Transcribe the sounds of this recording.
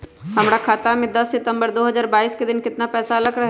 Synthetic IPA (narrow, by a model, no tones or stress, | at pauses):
ɦɐmɾakʰaːt̪amẽd̪ɐsːɪt̪ə̃mbəɾd̪oːɦɐzaːɾbaːiːsked̪ɪnkɪt̪napɛːsaɐlɐɡɾɐɦ